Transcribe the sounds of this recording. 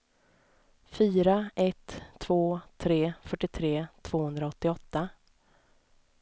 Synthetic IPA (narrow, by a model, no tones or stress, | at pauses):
fyːɾaʔɛt̪ʰːv̥oːt̪ʰɾeːfœʈːɪt̪ʰɾeːt̪ʰv̥oːhɵnd̪ɾaɔt̪ːɪɔt̪ːa